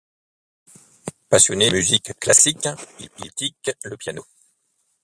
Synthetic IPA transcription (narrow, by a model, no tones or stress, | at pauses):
pasjɔnemyzikːlasikḭlplit̪ikləpjano